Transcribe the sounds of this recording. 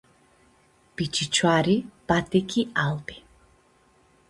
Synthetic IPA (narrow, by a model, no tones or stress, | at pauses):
b̥it͡ʃʰʼit͡ʃʰwaɾib̥at̪ʼikʰʼialbi